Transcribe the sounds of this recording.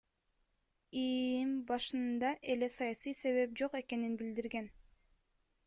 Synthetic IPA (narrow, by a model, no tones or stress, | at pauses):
imbɑʃɯnd̪ɑʔe̞le̞sɑjɑsɯjse̞βe̞p̚d͡ʒo̞qe̞ke̞ninbild̪iɾɡe̞n